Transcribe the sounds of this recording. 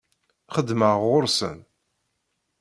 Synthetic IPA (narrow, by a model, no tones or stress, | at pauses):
χəd̪məʁʁʊɾsə̰n